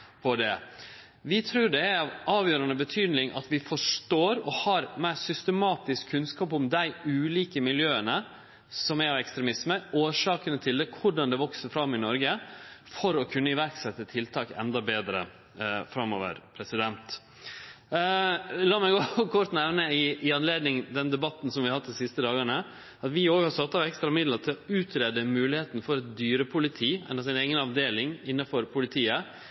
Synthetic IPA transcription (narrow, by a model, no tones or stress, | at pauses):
pʰɔd̪ɛ | ʋɪt̪ʰɾʉːɖɛæɾɑʋɑːʋjøːɾɑnəbət̪ʰyːd̪nɪŋʔɑ̰t̪ʋɪfɔʂʈoːɾɔhɑɾmæɪsʏst̪əmɑːt̪ɪskʰːʉnskɑːp̬ʊmd̪æɪʉːliːkəmɪljøːənə | sɔmæɾɑʋɛkst̪ɾɛmɪsməoːʂɑːkənət̪ʰɪld̪ɛkʰʊɖɑnd̪ɛʋɔksəɾfɾɑmːɪnɔɾɡəfɔɾɔkʰʉnːəɪʋæɾksɛt̪ːət̪ʰɪlt̪ʰɑːkɛ̰nd̪ɑbeːd̪ɾə̰ | fɾɑmo̰ːʋə̰ɾpʰɾɛsɪd̪ɛnt̪ | lɑːmæɪɡoːkʰɔɾt̪nɛʋnəɪɪɑnleːd̪nɪŋd̪ɛnd̪ɛbɑt̪ːn̩sɔmʋɪɑhɑt̪̚ːd̪ɪsɪst̪əd̪ɑːɡɑɳə | ɑt̪ʋɪoːɡɑsɑt̪ːɑʋɛkst̪ɾɑmɪd̪lət̪ʰɪlɔʉːt̪ɾed̪əmʉːlɪheːt̪nfɔɾɛt̪̚d̪yːɾəpʰʊlɪt̪ʰiːɛ̰nɑsɪneːɡənɑʋd̪eːlɪŋɪnːɑfɔɾpʰʊlɪt̪ʰiːə